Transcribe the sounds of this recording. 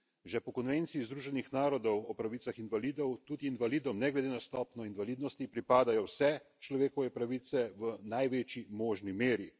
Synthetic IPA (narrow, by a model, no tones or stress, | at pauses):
ʒɛpɔkɔnʋeːnt̪sijizd̪ɾuːʒɛnixnaːɾɔd̪ɔwɔpɾaʋit̪saxinʋaliːd̪ɔwt̪uːd̪iːnʋaliːd̪ɔmnɛɡlɛd̪eːnast̪ɔːpnɔinʋaliːd̪nɔst̪ipɾipaːd̪ajɔwsɛt͡ʃlɔʋeːkɔʋɛpɾaʋiːt̪sɛʋənajʋeːt͡ʃimɔːʒnimeːɾi